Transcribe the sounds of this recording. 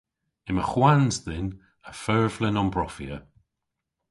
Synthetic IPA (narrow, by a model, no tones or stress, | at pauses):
ɪmə̰xwanzðɪn | əfɜɹvlɪnɔnbɹɔfiə